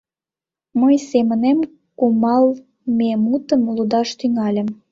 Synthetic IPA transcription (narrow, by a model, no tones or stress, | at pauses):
məjsemənem | kumɑl | memut̪əmlud̪ɑʃt̪yŋɑlʲə̆m